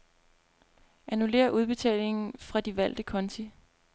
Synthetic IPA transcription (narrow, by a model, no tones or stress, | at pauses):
ʔænule̝̰ːɐʔuð̞ˠb̥e̝t͡sʰɛ̰ːle̝ŋn̩fʁɑ̈d̥iʋæl̰d̥əkʰɒ̽nt͡sʰi